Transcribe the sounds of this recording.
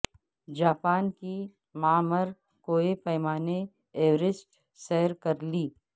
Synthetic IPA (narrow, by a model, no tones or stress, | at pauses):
d͡ʒaːpaːnki | maːməɾ | koːepɛːmaːne | eːʋɾɪsʈ | sɛɦəɾkɐɾliː